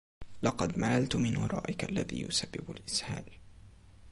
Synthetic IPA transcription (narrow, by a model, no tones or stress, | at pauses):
lɑqɑd̪malalt̪mɪnwɑ̰ɾˤɑ̰ːʔɪkʔalːaðḭːjʊ̰sabːɪbʊlʔɪshaːl